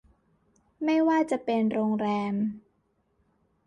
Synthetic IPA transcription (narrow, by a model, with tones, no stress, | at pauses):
ma˥˩jwaː˥˩t͡ɕa˨˩pe˧nɾoː˧ŋɾɛː˧m